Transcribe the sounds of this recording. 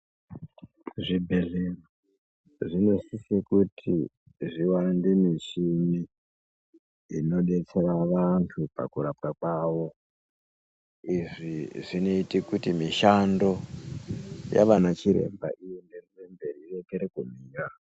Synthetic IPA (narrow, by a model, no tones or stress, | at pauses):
ʐibʱe̞ɮero | ʐino̞sisekutʰḭ | ʐiwandimit͡ʃini | no̞ɗe̞t͡se̞raʋantʰupa̰kurapkakwaːʋo̞ | iʐiʐino̞itikutimiʃando̞ | ja̰ʋanat͡ʃiɾe̞̰mba̰ʔiendererembe̞riire̞keɾekum̤iːɾa